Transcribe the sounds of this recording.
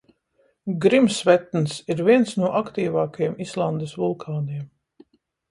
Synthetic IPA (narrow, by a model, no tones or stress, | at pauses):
ɡɾimsvɛt̪nsiɾviɛnsnuɔʔakt̪iːvaːkajɛmislˠand̪esvulˠkʰaːniɛm